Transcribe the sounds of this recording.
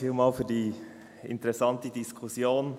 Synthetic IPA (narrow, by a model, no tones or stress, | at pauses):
iːlmɑːlfyːdiː | ɪ̰ntəʁɛsɑntədɪskʰʊsjoːn